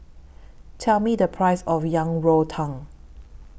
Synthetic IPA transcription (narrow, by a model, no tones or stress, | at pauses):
tʰɛlmidəpʰɹaɪsɔfjãŋɹotʰãŋ